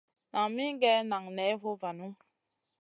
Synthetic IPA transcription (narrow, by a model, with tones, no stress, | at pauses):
na˨ŋmi˦ɡɛ˦na˨ŋnɛ˨˦vo˦va˨nu˦